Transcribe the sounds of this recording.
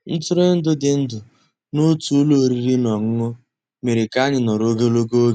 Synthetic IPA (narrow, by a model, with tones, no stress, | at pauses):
n̩˦tʊ˦ɾe˦n̩˦dʊ˦dɪ˨n̩˦dʊ˨ | nʊ˦tu˦lo˦˨ɾi˦ɾi˦nɔ˨ŋ̩˦ŋʊ˦ | me˨ɾɪ˨ka˦ɲɪ˨nɔ˨ɾo˦ɡe˦lo˦ɡo˦